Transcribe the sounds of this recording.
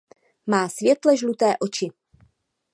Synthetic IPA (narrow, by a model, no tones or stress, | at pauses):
maːsvjɛt̪lɛʒlut̪ɛːʔo̞t͡ʃɪ